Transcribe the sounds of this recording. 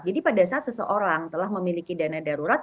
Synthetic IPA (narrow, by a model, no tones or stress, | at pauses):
d͡ʒadipadasaat̪səsəʔoɾaŋt̪əlahməmilikidanadaɾuɾat̪̚